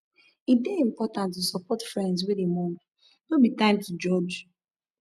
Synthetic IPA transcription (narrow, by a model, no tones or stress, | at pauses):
it̚deĩmpɔtãntːusɔpɔtfɹɛ̃ndz̬wedemɔ̃k | nobitãɪ̃mtud͡ʒɔd͡ʒ